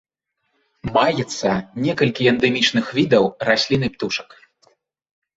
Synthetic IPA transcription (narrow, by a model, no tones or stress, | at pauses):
majɛt̪sːɐnʲɛkɐlʲkʲiɛnd̪ɛmʲit͡ʂn̪ɨxvʲid̪ɐwrasʲlʲinɨpt̪uʂɐ̥k